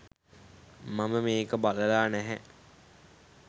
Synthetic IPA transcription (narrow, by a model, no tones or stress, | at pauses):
maməmeːkəbaləlaːnæɦɛ